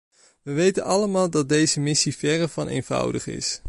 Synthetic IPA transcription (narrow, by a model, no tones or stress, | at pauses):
ʋəʋejtənɑləmaːlˠdɑt̚dejzəmɪsivɛrəvɑnḛjnv̥ʌ̰wdə̰χɪ̰s